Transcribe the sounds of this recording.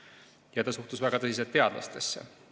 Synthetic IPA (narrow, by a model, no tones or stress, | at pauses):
jɑt̪ɑsuht̪usvæɡ̥ɑt̪ɤsis̬et̪ːˑe̞ɑd̪lɑ̰st̪e̞sːe̞̰